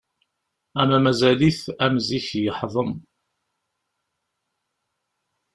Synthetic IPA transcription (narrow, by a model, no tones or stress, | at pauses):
æmæmæzæliθæmziçjəħðˤəm